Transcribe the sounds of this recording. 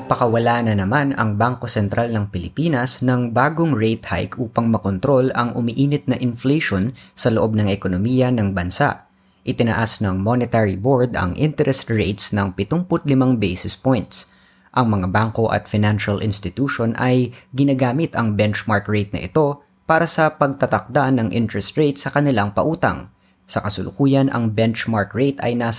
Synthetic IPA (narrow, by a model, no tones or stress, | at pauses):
pɐkɐwɐlaːnɐnɐmanɐ̰ŋbaŋko̞sɛnt̪ɾʔalnɐŋpɪlɪpiːnɐsnɐŋbaːɡoŋɹejt̪ha̰jkʔuːpɐŋmɐkont̪ɾo̞lɐŋʔʊmiʔiːnɪt̪̚nɐʔɪnflejʃonsɐloʔo̞b̚nɐŋɛkonomiːjɐnɐŋbɐnsa̰ʔ | ʔɪt̪ɪnɐʔasnɐŋmonɛt̪ɛɹiboɹd̪ɐ̰ŋʔɪnt̪ɛɾʔɛst̪ɹejt̪snɐŋpɪt̪ʊmpʊt̪̚lɪmaŋbejsɪspojnt̪s | ʔɐŋmɐŋabaŋko̞ʔɐ̰t̪fɪnanʃɐlʔɪ̰nst̪ɪt̪uːʃonʔɐjɡɪnaːɡaːmɪt̪ɐŋbɛnt͡ʃmaɹkɹejt̪̚nɐ̰ʔɪ̰t̪o̞ | paːɾɐsɐpɐɡ̚t̪ɐt̪ɐk̚d̪anɐŋʔɪ̰nt̪ɾɹɛst̪ɹejt̪sɐkɐnɪlaŋpɐʔuːt̪ɐ̰ŋ | sɐkɐsʊlʔʊkuːjɐnʔɐ̰ŋbɛnt͡ʃmaɹkɹejt̪ɐ̰jnaːs